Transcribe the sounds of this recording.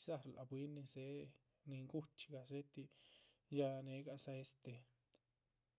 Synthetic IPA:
sa˦˧ɾlʔa̰˨bwi˦nːi˧se˧˦ | ni˧ŋɡu˦t͡ʃɡa˨se˦t̪i˧ja˧ne˧ɡa˧sa˧e˦st̪e˨

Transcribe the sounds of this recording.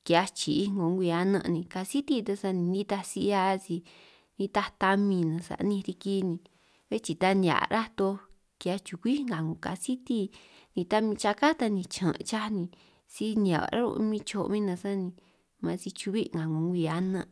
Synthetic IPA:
ki˧a˧t͡ʃi˨i˦ŋɡo˨˧ŋɡʷi˧a˧nə̰̃˧ʔnĩ˧ka˧si˦t̪i˧t̪a˧sa˧nĩ˧nĩ˦t̪a˧si˧˦a˧si˧ | nĩ˧t̪a˧t̪a˧mĩ˧nã˨˧sa̰˨ʔnĩ˧ɾi˧ki˦nĩ˧ | βe˦t͡ʃi˧t̪a˧nĩ˧ã̰˨ɾa˦t̪o˧ | kja˧t͡ʃu˨kʷi˦ŋɡa˨ŋɡõ˨ka̰˨si˦t̪i˦ | nĩ˧t̪a˧mĩ˧t͡ʃa˧ka˦t̪a˧nĩ˧t͡ʃʰã˨ʔt͡ʃa˦nĩ˧ | si˦n˧ã̰˨a̰˨ɾa̰˦ɾo̰˧mĩ˧t͡ʃo̰˧ʔmĩ˦nã˧sa˦nĩ˧ | mã˧si˧t͡ʃu˧βi˦ŋɡa˨ŋɡo˨˧ŋɡʷi˧a˧nə̃˧

